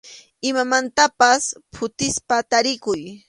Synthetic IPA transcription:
ɪmamant̪apaspʰʊt̪ɪspat̪aɾɪkʊj

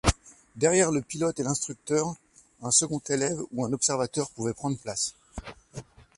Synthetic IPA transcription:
d̪ɛʁjɛʁləpilɔt̪elɛ̃st̪χyk̚t̪œʁ | ɛ̃səɡɔ̃t̪elɛvuɛ̃nɔpsɛʁvat̪œʁpuvɛpχɑ̃d̪ʁplas

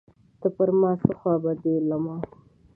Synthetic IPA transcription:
t̪əpəɾmɑːsəxwɑbad̪elamɑ

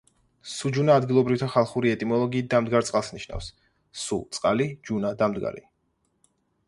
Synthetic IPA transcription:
sud͡ʒunaːd̪ɡilˠɔbɾift̪ʰaχalˠχuɾiɛt̪ʼimɔlˠɔɡiːt̪̚d̪amd̪ɡaɾt̪sʼqʼalˠsniʃna̰fsː | ut̪sʼqʼalid͡ʒunad̪amd̪ɡa̰ɾḭ

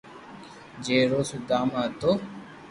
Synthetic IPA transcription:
d͡ʒeːɾoːsud̪aːmãːt̪oː

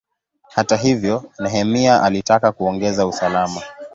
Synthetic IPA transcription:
hataɦivjɔnɛɦɛmiaʔalitakakuɔŋɡɛzausalama

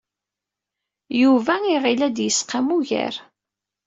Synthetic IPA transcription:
juvæiʁilæd̪jəsqamuʝə̰ɾ

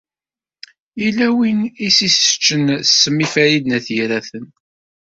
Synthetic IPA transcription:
ilæwinisisə̥t͡ʃːənsːəmːifæɾid̪næθjiɾæθən

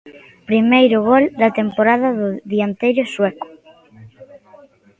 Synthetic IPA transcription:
pɾimejɾʊɣold̪ɐt̪empoɾaðɐðʊðiant̪ejɾʊswɛkʊ̥

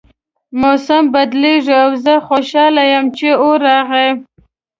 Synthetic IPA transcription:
mosambad̪leʐawzəxoʃɑlajamt͡ʃeoɾɑɣe

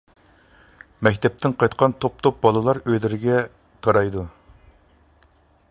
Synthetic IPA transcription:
mɛkʲt̪ʰɛp̚t̪ʰɪnqʰɑjt̪qʰɑnt̪ʰop̚t̪ʰop̚bɑlˠɨlˠɑɾøjlɪɾɪɡʲɛ | t̪ʰɑɾɑjd̪u

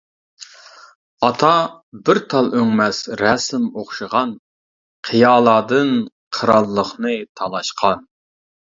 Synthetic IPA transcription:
ɑt̪ʰɑ | bɪɾt̪ʰɑlˠøŋmɛsɾɛsɪmoχʃɨʁɑn | qʰəjɑːlˠɑːd̪ɨn | qʰəɾɑlˠːəχnɨt̪ʰɑlˠɑʃqʰɑn

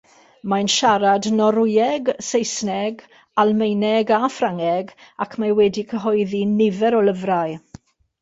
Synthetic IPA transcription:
majnʃaɾadnɔɾʊjɛɡsejsnɛɡ | alˠmejnɛɡafraŋɛɡakʰmawɛdikʰəɦɔjðinɪvɛɾɔləvɾaj

